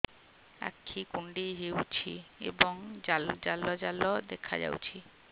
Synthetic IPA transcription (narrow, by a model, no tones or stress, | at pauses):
a̰kʰːikuɳɖiɦewt͡ʃʰiḛbɔŋd͡ʒald͡ʒalːɔd͡ʒalɔd̪ekʰa̰d͡ʒa̰wt͡ʃʰi